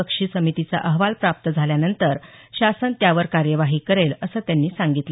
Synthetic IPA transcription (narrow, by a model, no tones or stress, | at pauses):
əkʂiːsəmit̪it͡sa̰ʔəɦʋalpɾap̚t̪əd͡zʱaljanənt̪əɾɕasənt̪jaʋəɾkaɾjəʋaɦiːkəɾeləsəːt̪janːiːsaŋɡit̪lə